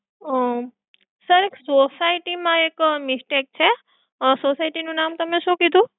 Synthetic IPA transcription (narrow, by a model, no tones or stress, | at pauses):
səɾeksosajʈimãekmisʈek̚t͡ʃʰe | sosajʈinũnamt̪əmesũkid̪ʱũ